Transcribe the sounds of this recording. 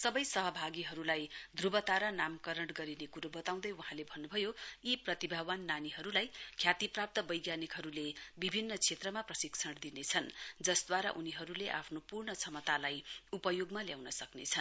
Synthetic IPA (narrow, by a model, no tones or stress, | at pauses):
sʌbʌjsʌɦʌbʱaɡiɦʌɾulajd̪ʱrubʌt̪aɾʌnamkʌɾʌɳʈɡʌɾinekuɾubʌt̪aw̃d̪ʌjwuɦãlebʱʌnːubʱʌjoiprʌt̪ibʱawʌnːaniɦʌɾulajkʰjat̪iprap̚t̪ʌbʌjɡjanikɦʌɾulebibʱinːʌt͡sʰet̪rʌmaprʌsiksʰʌɽd̪inet͡sʰʌnd͡zʌsd̪waɾaʔuniɦʌɾuleʔa̰pʰnopurɳʌt͡sʰʌmʌt̪alajupʌjoɡmaljawnʌsʌknḛt͡sʰʌn